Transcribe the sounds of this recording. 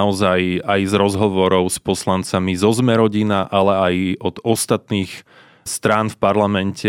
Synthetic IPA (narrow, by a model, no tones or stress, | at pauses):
ɔzajajzɾɔzɦɔʋɔɾɔʊspɔslant͡samizɔzmɛɾɔɟinaʔalɛajɔd̪̥ɔst̪at̪niːx | st̪ɾaːnfpaɾlamɛncɛ